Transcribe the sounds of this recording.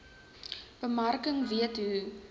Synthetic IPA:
b̥əmɐrkəŋviətɦu

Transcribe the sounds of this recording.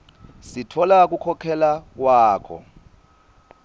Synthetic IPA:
sitʰɔlak̬ukʰɔkʰɛlak̬waːkʰɔ̰

